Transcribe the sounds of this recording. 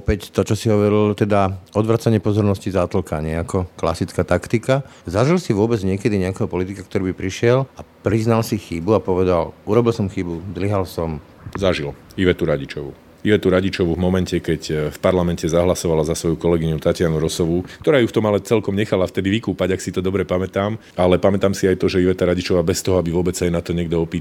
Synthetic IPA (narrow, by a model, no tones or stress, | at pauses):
ɔpɛct̪ɔt͡ʃɔsiɦɔʋɔɾilt̪ɛd̪aɔd̪ʋɾat͡saɲɪɛpɔzɔɾnɔscizat̪l̩kaɲɪɛakɔkla̰sit͡skaːt̪akt̪ikazaʒilsiʋʊɔbɛd͡zɲɪɛkɛd̪iɲɛakɛɦɔpɔlit̪ikakt̪ɔɾibipɾiʃɪɛlapɾiznalsixibuapɔʋɛd̪aluɾɔbilsɔmxibuzd̪liɦalsɔm | zaʒiliʋɛt̪uɾaɟit͡ʃɔʋu | iʋɛt̪uɾaɟit͡ʃɔʋuvmɔmɛncɛkɛɟfpaɾlamɛncɛzaɦlasɔʋalazasʋɔjukɔlɛɡiɲut̪acɪanuɾɔsɔʋukt̪ɔɾaːjuft̪ɔmalɛt͡sɛlkɔmɲɛxalaft̪ɛd̪iʋikuːpaɟaksit̪ɔd̪ɔbɾɛpamɛt̪aːm | alɛpamɛt̪aːmsiajt̪ɔʒɛiʋɛt̪aɾaɟit͡ʃɔʋaːbɛst̪ɔɦɔabiʋʊɔbɛt͡ssajɛnat̪ɔɲɪɛɡ̚d̪ɔɔpiː